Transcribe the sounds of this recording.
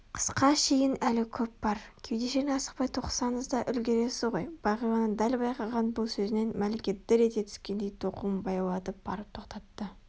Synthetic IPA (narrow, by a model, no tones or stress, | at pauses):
qʰə̥sqɑʃe̞jɪnælɪkʲʰɵp̚b̥ɑɾkʲʰejd̪e̞ʃenɪɑsə̥q̚pɑjt̪ʰo̞qsɑnəzd̪ɑʔʏlɡʲe̞ɾe̞sɪʁo̞jb̥ɑʁəjwɑnənd̪ælbɑjqɑʁɑnbʊlˠsɵzɪne̞nmælekʲe̞t̪ːɪɾe̞t̪e̞t̪ʰʏ̥skʲe̞nd̪e̞jt̪ʰo̞qumbɑjɑwlˠɑt̪əp̚b̥ɑ̰ɾəp̚t̪ʰo̞qt̪ɑt̪ːə